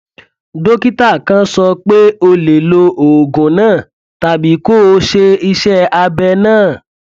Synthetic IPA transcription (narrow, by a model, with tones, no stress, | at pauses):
do˦ki˦ta˦˨kã˦sɔ˧k͡pe˦o˧le˨lo˧o˨ɡũ˨nãː˦˨ | ta˦˨bi˨˦ko˦˨o˧˦ʃe˧i˧ʃɛ˦a˧bɛ˧nãː˦˨